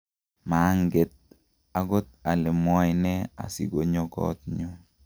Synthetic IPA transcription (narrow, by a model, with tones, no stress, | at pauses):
ma˨˦ŋɡe˨t̪̚ | a˨ɡo˦t̪a˨lɛ˨mwɔ˦jnɛ˦a̰˨sḭ˨ɡo˨ɲo˦kɔ̰˦t̪̚ɲu˦